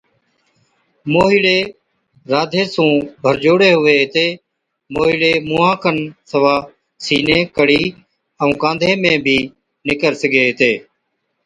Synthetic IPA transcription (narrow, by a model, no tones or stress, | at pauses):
moːɦiːɽeː | ɾaːd̪ʱeːsũːbʱəɾd͡ʒoːɽeːɦʊʋeːɦɪt̪eː | moːɦiːɽeːmʊːɦãːkʰənsəʋaː | siːnẽːkəɽiː | əũːkãːnd̪ʱeːmẽːbʱiː | nɪkəɾsəɡeːɦt̪eː